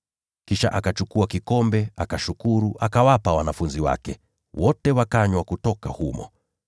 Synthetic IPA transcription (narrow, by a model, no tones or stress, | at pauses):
kiʃa̰ʔakat͡ʃukuakikɔmbɛakaʃukuɾuʔakawapawanafunziwa̰kɛ | wɔtɛwakaɲwakutɔkahumɔ̰